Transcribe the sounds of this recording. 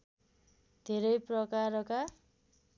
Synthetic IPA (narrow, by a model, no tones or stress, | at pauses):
d̪ʱeɾʌjprʌkaɾʌka